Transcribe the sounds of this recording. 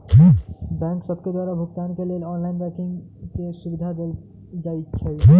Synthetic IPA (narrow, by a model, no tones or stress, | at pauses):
bɛ̃ŋksəbked̪waɾabʱuɡt̪aːnkeleːlɔnlainbɛ̃kiŋkesubid̪ʱad̪el | d͡ʒait͡ʃʰɛ